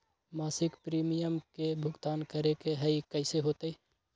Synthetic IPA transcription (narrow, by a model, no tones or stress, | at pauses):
maːsɪkpɾiːmijəmkebʱʊɡt̪aːnkəɾekeɦəikəɪseɦoːt̪əi